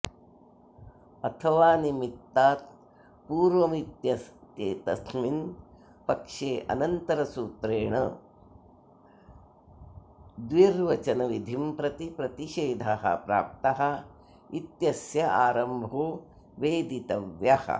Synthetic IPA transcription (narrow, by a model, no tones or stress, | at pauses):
ɐt̪ʰɐʋaːnimit̪ːaːt̪̚ | puːɾʋɐmit̪jɐst̪jeːt̪ɐsmin | pɐkʂeːʔɐ̰nɐnt̪ɐɾɐsuːt̪ɾeːɳɐ̰ | d̪ʋiɾʋɐt͡ʃɐnɐʋid̪ʱimpɾɐt̪ipɾɐt̪iʃeːd̪ʱaɦɐ̰pɾa̰ːp̚t̪ɐɦɐ̆ | it̪jɐsjɐaːɾɐmbʱoː | ʋeːd̪it̪ɐʋjɐhɐ̰